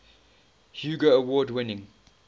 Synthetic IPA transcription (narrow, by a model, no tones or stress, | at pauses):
hjuːɡəːwɔːdwɪ̃nɪ̃ŋ